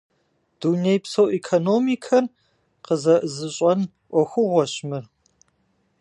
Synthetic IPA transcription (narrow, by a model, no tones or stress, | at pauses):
d̥unejpsowʔikʰonoːmikʰɐr | qəzɐʔɨzɨɕʼɐn | ʔʷɔxʷʊʁʷɔɕmɨr